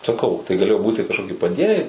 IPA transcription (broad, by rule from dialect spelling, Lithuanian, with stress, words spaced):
sɐˈkɐʊ tɐɪ ɡɐˈlʲeːjoː ˈbuːtʲɪ kɐʃˈkoːkʲɪ pɐˈdʲiɛnʲɛɪ